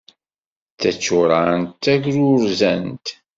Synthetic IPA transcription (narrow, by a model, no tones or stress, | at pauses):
t͡sːæt͡sːʊɾant̪ːæʝɾʊɾzænt̪